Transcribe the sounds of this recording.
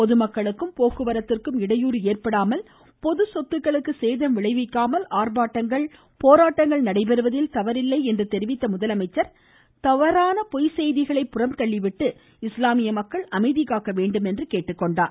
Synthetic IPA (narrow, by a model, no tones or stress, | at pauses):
pɔðɯmɐkːɐɭɯkːɯmpoːkɯʋɐɾɐt̪ːɪrkɯmɪɽɐjuːɾeːrpɐɽaːmɐl | pɔðɯsɔt̪ːɯkːɐɭɯkːɯseːðɐmʋɪɭɐɪʋɪkːaːmɐlaːrbaːʈːɐŋɡɐɭ | poːɾaːʈːɐŋɡɐɭnɐɽɐɪpɛɾɯʋɐðɪlt̪ɐʋɐɾɪlːɐɪɛndrɯt̪ɛɾɪʋɪt̪ːɐmʊðɐlɐmɐɪt͡ʃːɐɾ | t̪ɐʋɐɾaːnɐpɔjsɛjðɪɣɐɭɐɪpːʊrɐmt̪ɐɭːɪʋɪʈːɯ | ɪslaːmɪjɐmɐkːɐɭɐmɐɪðɪɣaːkɐʋeːɳɖɯmɛndrɯkeːʈːɯkːɔɳɖaːɾ